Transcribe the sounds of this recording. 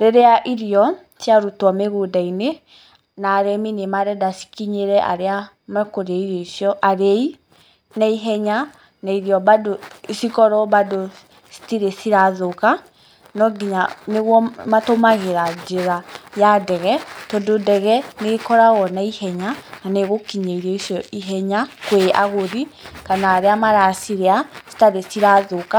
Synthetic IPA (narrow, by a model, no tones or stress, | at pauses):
ɾeɾeaʔiɾiɔ | sjaɾutɔmeɣudaine | naːɾɛminemaɾɛdasi̥kiɲeɾɛʔa̰ɾea | mɛkoɾaiɾɔisjɔʔaɾei | naiɦɛɲa | naiɾiɔβadosikɔɾɔβado | si̥tiɾesiɾaðoka | nɔɡiɲaneɣwɔmatomaɣeɾad͡ʒeɾajadɛɣɛtɔndodɛɣɛnekɔɾaɣɔnaihɛɲananeɣokiɲeiɾiɔisjɔiɦɛɲakwea̰ɣoðikanaːɾeamaɾasiɾeasi̥taɾesiɾaðoka